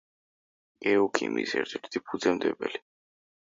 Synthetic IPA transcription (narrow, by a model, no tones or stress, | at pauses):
kʼɛukʰḭmisɛ̰ɾt̪ʰɛɾt̪ʰipʰud̪zɛmd̪ɛbɛ̰li